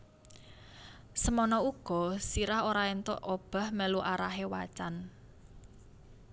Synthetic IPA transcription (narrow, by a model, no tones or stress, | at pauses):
səmɔnɔuɡ̥ɔ̤siɾaɦoɾaent̪o̰ʔob̥a̤hmeluʔaɾaɦewa̰t͡ʃan